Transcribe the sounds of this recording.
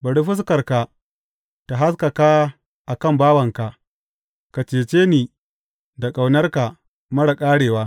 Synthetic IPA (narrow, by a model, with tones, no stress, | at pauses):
bɐ˨ɽi˦ɸʊ˦s̬kɐ˨rka˨ | ta˨ɦa˦s̬ka˨ka˦ | ʔa˨kɐ˦˨mbaː˦wɐ˨ŋka˨ʔ | ka˨t͡ʃeː˨t͡ʃeː˦niː˨ | da˨kʼa˨wnɐ˦rka˨ | mɐ˦ɽa˨kʼaː˦ɽeː˨waː˦